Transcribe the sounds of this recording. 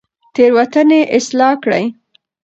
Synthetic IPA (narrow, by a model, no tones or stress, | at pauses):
t̪eɾwat̪əneʔɪslɑkɽə̰j